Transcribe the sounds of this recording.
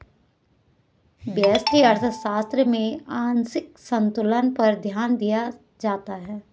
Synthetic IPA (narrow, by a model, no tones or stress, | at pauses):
bjɛːsʈiɐɾt̪ʰəʃaːst̪ɾəmẽaːnsɪk̚sɐ̃nt̪ʊlənpɐɾd̪ʱjaːnd̪ija | d͡ʒaːt̪aɦɛː